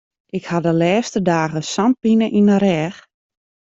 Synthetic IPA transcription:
ʔɪkhadəlɛːstədaːɣəsant̚binəʔinəɾɛːx

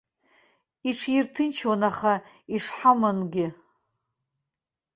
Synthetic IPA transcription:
iʈ͡ʂʰjirtʰɨnt͡ʃʰwanaχa | iʂħamanɡʲɪ

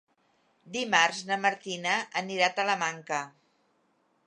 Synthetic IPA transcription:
d̪imarznəməɾt̪inəʔːniɾat̪ələmaŋkə

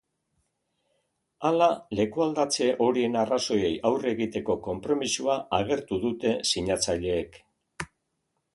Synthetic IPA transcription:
alale̞kuald̪at͡se̞ʔo̞ɾie̞naraso̞je̞jʔawre̞ɣit̪e̞ko̞ko̞mpɾo̞misuaaɣ̞e̞ɾt̪uðut̪e̞siɲat͡saʎe̞ːk

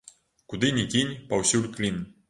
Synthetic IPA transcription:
kud̪inʲikʲinʲpawsulʲklʲin

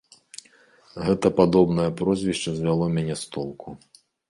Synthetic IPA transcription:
ɣɛt̪ɐpad̪ɔbn̪ɐjɐpɾɔzʲvʲiʂt͡ʂɐzʲvʲalˠɔmʲanʲɛst̪ɔlˠkʰu

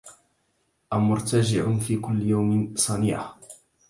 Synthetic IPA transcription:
ʔamʊɾt̪ad͡ʒɪʕʊfiːkʊlːjawmɪsˤɑnɪːʕa

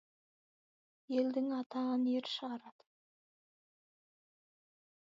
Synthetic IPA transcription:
je̞ld̪ɪŋɑt̪ɑəneɾʃəʁɑɾɑd̪̥ə̥

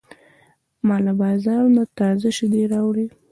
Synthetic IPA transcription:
mɑlabɑzɑɾnat̪ɑzaʃɪd̪eɾɑwɽi

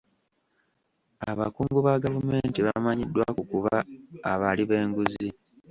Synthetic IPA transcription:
aβa̰kuːŋɡuβaɡavume̞ːntiβamaɲidːwa̰kukuβaaβaliβe̞ːŋɡuzi

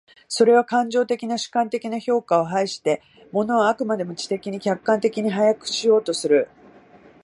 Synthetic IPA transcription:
so̞ɾe̞β̞akãɲ̟d͡ʑo̞ːt̪e̞kʲinaɕɨ̥kãnt̪e̞kʲinaço̞ːkao̞ɦaiɕi̥t̪e̞ | mo̞no̞ːakɯ̟mad̪e̞mɯ̟t͡ɕi̥t̪e̞kʲiɲ̟ikʲakːãnt̪e̞kʲiɲ̟iɦajakɯ̟̥ɕijo̞ːt̪o̞sɨɾɯ̟

